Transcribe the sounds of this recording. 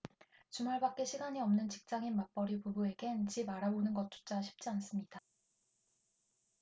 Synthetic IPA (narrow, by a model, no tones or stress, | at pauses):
t͡ɕumaɭbak̚k͈e̞ɕʰiɡaɲiʌmnɯnt͡ɕik̚t͡ɕ͈aŋinmap͈ʌɾipubue̞ɡe̞nt͡ɕibaɾabonɯnɡʌt̚t͡ɕ͈o̥t͡ɕ͈ʰaɕʰi̥p̚t͡ɕ͈ians͈ɯmɲida